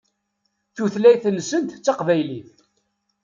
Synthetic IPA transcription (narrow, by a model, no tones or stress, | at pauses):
θuθlæjθənːsənt̪t͡sːɑqvæjliθ